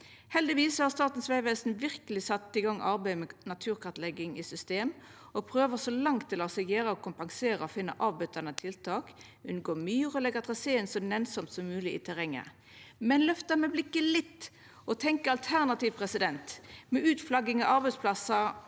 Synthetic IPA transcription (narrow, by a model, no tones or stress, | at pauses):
hɛld̪ɪʋiːshɑʁst̪ɑːt̪n̩sʋæɪʋeːsn̩ʋɪʁkəlɪsɑt̪ːəɪɡɑŋːʔɑɾbæɪmɛnɑt̪ʰʉːɾkʰɑt̪lɛɡɪŋɪsʏst̪eːm | ɔpʰʁøːʋəsɔlɑŋt̪ʰːɪlɔsɛɡjeːɾəɔkʰʊmpɑŋseːɾəɔfɪnːə̰ʔɑːʋbʏt̪ːɑnət̪ʰɪlt̪ʰɑːk | ʉnɡoːmyːəʁɔlɛɡəʁt̪ʰʁɑseːnsɔnɛnsɔmt̪sɔmːʉːlɪʔɪ̰t̪ʰɛʁɛŋə̰ʁ | mɛnlœft̪əmɛblɪkːəlɪt̪ː | ɔt̪ʰɛŋkəɑlt̪ʰæʁnɑt̪iːʋpʰʁɛsɪd̪ɛnt̪mɛʔʉːt̪flɑɡɪŋɑʔɑɾbæɪd̪spʰlɑsɑ